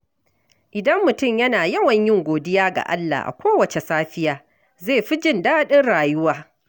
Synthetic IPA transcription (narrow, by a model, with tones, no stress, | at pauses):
ʔɪ˨dɐ˦mːʊ˨tʊ˦˨mjɐ˦naː˨jɐ˦wɐ˨ɲjɪ˦ŋɡʷoː˨dɪ˦jaː˦ɡa̰˨ʔa̰˦lːa̰˨ʔa̰˨kʷoː˦wɐ˨t͡ʃe˨saː˦ɸɪ˦jaː˨ | zeː˦˨ɸi˦d͡ʒɪ˦˨ndaː˦ɗɪ˦nɽaː˨jʊ˦waː˦